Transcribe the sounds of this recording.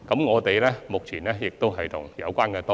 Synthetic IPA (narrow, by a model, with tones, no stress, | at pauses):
kɔ˨˦mŋɔː˨˧t̪e˨˩jlɛː˦˥mʊ˨˩k͡p̚t͡ɕʰi˨˩naː˨˥jɛ˨˩k̚t̪o˧wɦɐ˨˩jt̪ʊ˨˩ŋja̰˨˩wkʷwaː˧nkɛː˧t̪o˧